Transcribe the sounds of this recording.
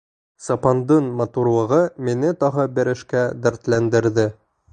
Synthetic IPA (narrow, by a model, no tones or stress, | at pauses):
sɑpɑnd̪ɤnmɐt̪uɾlˠɤ̆ʁɤminɘt̪ɒʁɤbɘ̆ɾɘ̆ʃkæd̪æ̆ɾt̪lænd̪ɘ̆ɾðɘ